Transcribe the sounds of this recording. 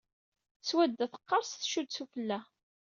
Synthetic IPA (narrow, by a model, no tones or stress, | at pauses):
θswæd̪ːæθə̥qːɑɾˤsθʃud̪sufəlːæ